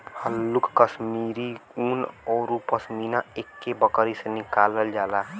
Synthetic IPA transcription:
həlːʊkːəsmiɾiuːnɔːɾupəsminaeːkːebəkɾisenɪkaːləld͡ʒaːla

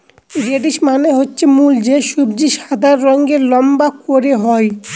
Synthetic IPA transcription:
ɾeɖiʃmaneɦotːɕʰemuld͡ʑeʃubd͡ʑiʃad̪ʱaɾːɔŋɡelɔmbakoɾeɦɔj

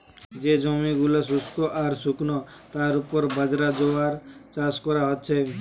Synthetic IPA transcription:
d͡ʒed͡ʒɔmiɡulas̬uskoʔaɾsuknɔ | t̪aɾupɔɾbəd͡ʒɾad͡ʒoaɾt͡ʃaskɔɾaɦɔt̪t͡ʃʰe

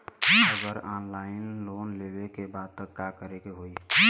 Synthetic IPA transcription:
əɡəɾaːnlaɪnloːnlebekebaːd̪̚t̪əkːakəɾekeɦoi

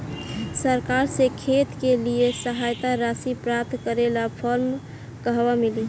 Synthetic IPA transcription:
səɾkaɾsẽkʰet̪keliesəɦajt̪aɾasipɾap̚t̪kəɾelapʰəɾm | kəɦbamili

